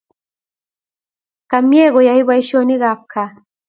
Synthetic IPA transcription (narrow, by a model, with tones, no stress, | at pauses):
ka˨mjɛ˦˨ɣɔ˨ja˨hi˦βa˦i˦ʃɔ˦ni˦ɣa˨p̚kʰa˨